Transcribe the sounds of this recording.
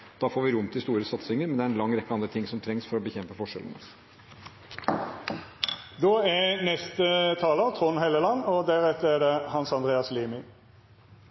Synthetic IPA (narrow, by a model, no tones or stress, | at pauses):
d̪̥ɑːfoːɾʋɪɾʊmːt̪ʰɪst̪uːɾəsɑt̪sɪŋəɾmɛnd̪ɛæɾɛnlɑŋːɾɛkːəɑnd̪ɾət̪ʰɪŋsɔmt̪ʰɾɛŋsfɔɾɔbəçɛmpəfɔʂɛ̰lən̩ə̰ | d̪oːɛnɛst̪ət̪ʰɑːlət̪ʰʁʊnɦɛləlɑnːɔd̪æʁɛt̪ːəɛɖɛhɑnsɑnd̪ʁeːɑsliːmɪ